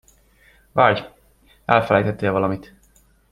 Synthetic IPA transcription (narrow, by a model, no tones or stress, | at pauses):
vaːɟ | ɛlfɛlɛ̰jt̪ɛt̪ːeːlvɒlɒmit̪